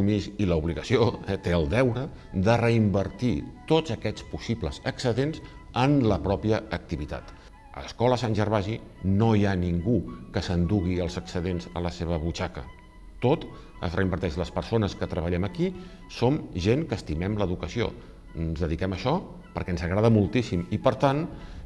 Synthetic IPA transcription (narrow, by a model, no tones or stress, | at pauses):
umisiləuβliɣəsioɛt̪eəlˠd̪ɛwɾə | d̪ərəimbəɾt̪it̪ozəkɛt͡spusiblə̰zəksəðenz | ənləpɾɔpiəək̚t̪iβit̪a̰t̪ | ə̰ləskɔləsanʲʒərβaʒi | nojaniŋɡukəsənd̪uɣiəlˠzəksəðenzə̰ləseβ̞əβut͡ʃakə̰ | t̪ot̪ | ə̰zrəimbəɾt̪ɛʃləspəɾsonəskət̪ɾəβəʎɛməki | somʒeŋkəːst̪imɛmləðukəsio̰ | ənzðəðikɛməʃɔ | pəɾkɛənzəɣɾaðəmulˠt̪isimipəɾt̪an